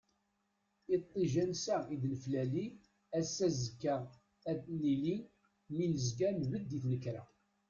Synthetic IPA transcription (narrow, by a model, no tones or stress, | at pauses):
it̪ˤːiʒænsæid̪nəflæli | æsæzəkːæʁ | æd̪nili | minəzɡænvəd̪ːiθnəkɾæ̰